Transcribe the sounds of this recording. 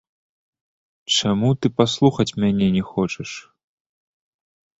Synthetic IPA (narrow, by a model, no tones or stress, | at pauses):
t͡ʂamut̪ɨpaslˠuxɐt͡sʲmʲanʲɛnʲɛxɔt͡ʂɛʂ